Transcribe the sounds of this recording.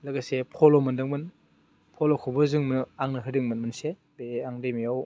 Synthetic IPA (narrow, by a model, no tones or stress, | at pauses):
lɯɡasepʰɔlɔmɯndɯŋmɯn | pʰɔlɔkʰɔbɯzɯŋmɯnɯaŋnɯɦɯdɯŋmɯnmɯnse | beaŋdemijaw